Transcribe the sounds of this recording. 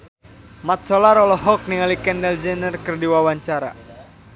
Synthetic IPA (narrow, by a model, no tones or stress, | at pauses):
mat̪̚sɔlaɾɔlɔɦɔk̚niŋalikɛndɛld͡ʒɛnərkərdiwawaɲt͡ʃaɾa̰